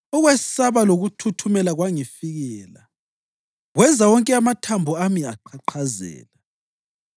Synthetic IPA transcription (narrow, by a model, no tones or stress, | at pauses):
ɔɣwɛsaβaloɣutʰutʰumɛlaɣwaŋifiɣɛːla̰ | ɣwɛzawɔŋkʼɛamatʰambʱuamiaǃʰaǃʰazɛ̰ːla